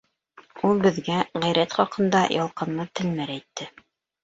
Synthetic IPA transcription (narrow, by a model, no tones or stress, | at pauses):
ulˠbɘ̆ðɡæʁæjɾæt̪χɑqɤ̆nd̪ɑjʔɑlˠqɤ̆nlˠɤt̪ɘ̆lmæɾæjt̪ːɘ